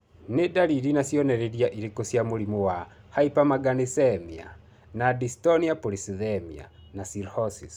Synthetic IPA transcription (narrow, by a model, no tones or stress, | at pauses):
nedaɾiɾinasjɔnɛɾeɾjaʔiɾekosjamoɾimowa | haipamaɡanesɛmia̰ | nadistɔniapoɾisiðɛmia̰nasiɾhɔsis